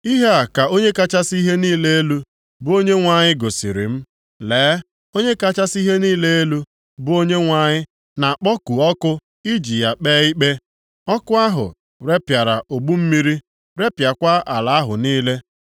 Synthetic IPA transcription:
i˦ɦe˦a˨ka˨o˦ɲe˦ka˦t͡ʃa˦si˦ɦe˦niː˦le˦e˦lu˦ | bʊ˦o˦ɲe˦ŋʷa˨ɲɪ˦ɡo˨sḭ˨ɾḭ˨m̩˦ | leː˨˦ | o˦ɲe˦ka˦t͡ʃa˦si˦ɦe˦niː˦le˦e˦lu˦ | bʊ˦o˦ɲe˦ŋʷa˦ɲɪ˦ | na˨k͡pɔ˦ku˨ɔ˦kʊ˦ | i˦d͡ʒi˨ja˨k͡pɛː˦i˦k͡pe˦ | ɔ˦kʊ˦a˦ɦʊ̰˨ | ɾe˦pja˨ɾa˨ʔo˨ɡ͡bu˦m̩˦mi˦ɾi˦ | ɾe˦pja˨kʷa˦ʔa˨la˨a˦ɦʊ̰˨niː˦le˦

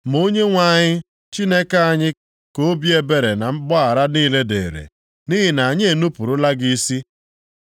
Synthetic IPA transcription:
m̩˨o˦ɲe˦ŋʷa˦˨ɲɪ˦ | t͡ʃi˦ne˦ka˦a˨ɲɪ˦ | ko˦bi˦e˦be˨ɾe˨na˨m̩˦ɡ͡bɔ˦a˨ɾa˦niː˦le˦dḛː˨ɾḛ˨ | ni˦ɦɪ˨na˨ɲ˦e˨nu˦pu˨ɾʊ˦la˦ɡi˦si˦

